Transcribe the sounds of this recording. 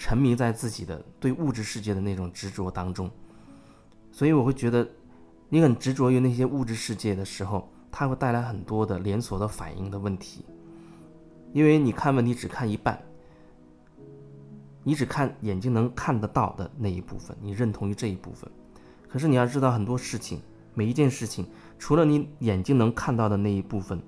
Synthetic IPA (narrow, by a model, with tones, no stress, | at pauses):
ʈ͡ʂʰə˧˥ŋmi˧˥ŋt͡sa˥˧ɪt͡sɹ̩˥˩t͡ɕi˨˩d̪ə̰˦t̪we˥˧ɪu˥˧ʈ͡ʂɻ̩˥˧ʂɻ̩˥˧t͡ɕjɛ˥˩d̪ə˩na˥˩ʈ͡ʂʊ˨˩ŋʈ͡ʂɻ̩˧˥ʈ͡ʂwɔ˧˥t̪ɑ˥ŋʈ͡ʂʊ˥ŋ | swɔ˧˥i˧˥wɔ˨˩wt͡ɕɥɛ˧˥d̪ə˧ | ni˧˥kə˨˩nʈ͡ʂɻ̩˧˥ʈ͡ʂwɔ˧˥jo˧na˥˩ɕ̬jɛ˥ʔu˥˧ʈ͡ʂɻ̩˥˧ʂɻ̩˥˧t͡ɕjɛ˥˩d̪ə˩ʂɻ̩˧˥xo˧ʊ | t̪ʰa˥xwe˥˧ɪt̪a˥˩ɪla˧˥ɪxə˨˩nt̪wɔ˥d̪ə˨ljɛ˧˥nswɔ˨˩d̪ə˦fa̰˨˩nʔḭ˥˩ŋd̪ə˧wə˥˩nt̪ʰi̥̰˧˥ | i˥nwe˥˩ɪni˨˩kʰa˥˧nwə˥˩ni˧˥ʈ͡ʂɻ̩˨˩kʰa˥˩ni˧˥pa̰˥˩n | ni˧˥ʈ͡ʂɻ̩˨˩kʰa˥˩njɛ˨˩nt͡ɕi˥ŋnɤ˧˥ŋkʰa˥˧nd̪ə˨t̪ɑ˥˩ʊd̪ə̰˩na˥˩ḭ˧˥pṵ˥˩fə̰˩nni˨˩ɻə˥˩nt̪ʰʊ˧˥ŋy˧ʈ͡ʂɤ˥˧i˧˥pṵ˥˩fə̰˩n | kʰɤ˨˩ʂɻ̩˥˩ni˨˩jɑ˥˧ʈ͡ʂɻ̩˥t̪ɑ˥˩xə˩nt̪̬wɔ˥ʂɻ̩˥˩t͡ɕʰḭ˨˩ŋ | me˨˩ɪi˧˥t͡ɕjɛ˥˧nʂɻ̩˥˩t͡ɕʰi˨˩ŋ | ʈ͡ʂʰu˧˥lə˧ni˧˥jɛ˨˩nt͡ɕi˥ŋnɤ˧˥ŋkʰa˥˧nt̪ɑ˥˩ʊd̪ə˩na˥˩i˧˥pu˥˩fə˨˩n